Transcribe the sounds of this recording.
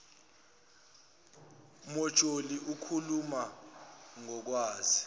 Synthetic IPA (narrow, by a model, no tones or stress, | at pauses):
mɔ̥t͡ʃʼoliʔukʰuluma | ŋɔk̬waːzi